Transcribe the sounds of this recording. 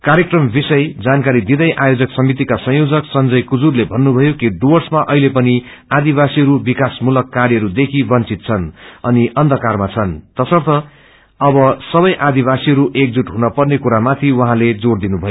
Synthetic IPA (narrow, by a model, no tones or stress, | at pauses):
kaɾjekrʌmbisʌjd͡zankaɾid̪id̪ʌjʔajod͡zʌksʌmit̪̬ikasʌ̃j̃od͡zʌksʌnd͡zʌjkud͡zurlebʱʌnːubʱʌjokiɖorsmaʔʌ̰ɦilepʌni | ad̪ibasiɦʌɾubikasmulʌkːaɾjʌɾud̪ekʰibʌnt͡sit̪̚t͡sʰʌnʌniʔʌnd̪ʱʌkarmat͡sʰʌnt̪ʌsʌrt̪ʌ | ʌbʌsʌbʌjʔad̪ibasiɦʌɾuʔek̚d͡zuʈɦunʌpʌrnekuɾamat̪ʰiwʌɦãled͡zord̪inubʱʌjo